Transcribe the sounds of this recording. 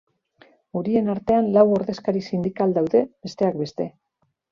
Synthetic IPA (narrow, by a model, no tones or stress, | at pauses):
uɾie̞naɾt̪e̞anlawo̞ɾðe̞skaɾisind̪ikald̪awðe̞be̞st̪e̞akbe̞st̪e̞